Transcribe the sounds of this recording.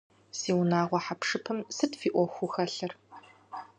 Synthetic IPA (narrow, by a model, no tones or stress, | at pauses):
siːwnaːʁʷɔħapʂɨpʰɨmsɨdfiːʔʷɔxʷuxɐɬɐr